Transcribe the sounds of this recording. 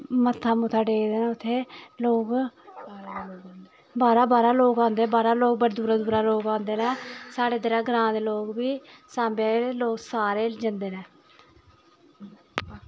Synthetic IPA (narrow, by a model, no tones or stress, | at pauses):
mət̪ʰːaːmʊt̪ʰaːɖeːd̪eːnɛ̃ːʊt̪ʰːeːloːɡ | baːɾaːbaːɾaːloːɡãːnd̪eːbaːɾaːloːɡ̚bəɾd̪uːɾaːd̪uːɾaːloːɡãːnd̪eːnɛ̃ːsaːɽeːd̪ɪɾãːɡɾãːd̪eːloːɡbiːsãːbeloːksaːɾeːd͡ʒənd̪eːnɛ̃ː